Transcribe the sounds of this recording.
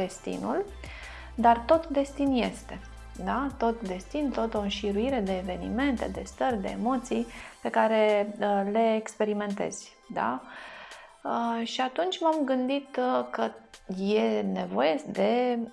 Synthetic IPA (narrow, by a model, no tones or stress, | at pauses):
e̞st̪ḭnul | d̪art̪o̞t̪d̪e̞st̪inje̞st̪e̞ | d̪at̪o̞t̪d̪e̞st̪int̪o̞t̪o̞ɨnʃiɾuiɾe̞d̪e̞ːve̞nḭme̞nt̪e̞̰d̪e̞st̪ərʲd̪e̞̰ːmo̞t̪sijpe̞kaɾe̞le̞ːkspe̞ɾime̞nt̪e̞̰z̥ʲ | d̪a̰ | əʃiat̪unt͡ʃʲmamɡɨnd̪it̪kəje̞ne̞vo̞je̞d̪e̞